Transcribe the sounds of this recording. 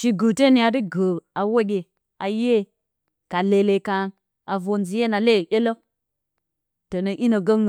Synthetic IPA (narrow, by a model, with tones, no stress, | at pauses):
ʃi˨ɡu˨te˦ni˨ja˨di˦ɡə˨a˨wo˦ɡʲe˨ | a˨je˦ | ka˨le˨le˨ka˨n | a˨vo˨nzi˨˦je˦na˨le˦˨ɗʲe˦lo˦ | to˨nə˨ʔi˦no˨ɡo˦ŋ˨